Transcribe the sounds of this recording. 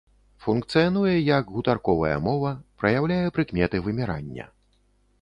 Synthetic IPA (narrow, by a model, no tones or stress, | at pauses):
funkt̪sɨjanujɛjɐɡɣut̪arkɔvɐjɐ̰mɔvɐpɾɐjawlʲajɛpɾɨkmʲɛt̪ɨvɨmʲiɾa̰nʲːɐ̰